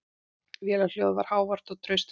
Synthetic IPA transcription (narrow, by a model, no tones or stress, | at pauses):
vjɛːlal̥jowðva̰ɾ̥haːwvar̥t̪ɔt̪ʰɾœɥst̪